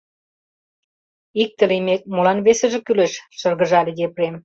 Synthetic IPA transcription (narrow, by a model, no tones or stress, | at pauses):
ik̚t̪ə̆limek̚molɑnβesĕʒĕkyleʃʃɤ̆rɣə̆ʒɑledeprem